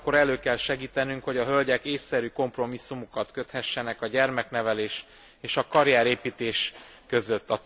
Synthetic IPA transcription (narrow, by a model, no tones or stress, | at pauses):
kːo̞ɾɛløːkɛlʃɛɡiːt̪ɛnyŋkho̞ɟɒɦølɟɛkeːsːɛɾyːko̞mpro̞misːumukɒt̪kø̞t̪hɛʃːɛnɛkɒɟɛrmɛkn̪ɛvɛleːʃ | eːʃɒkɒɾjaːɾeːpiːt̪eːʃ | køzø̞t̪ːɒ